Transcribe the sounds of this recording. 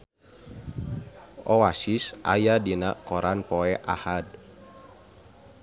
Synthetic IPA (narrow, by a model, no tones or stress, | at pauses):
ʔɔwasisa̰jadinaʔkɔɾʔanpɔɛʔa̰had̚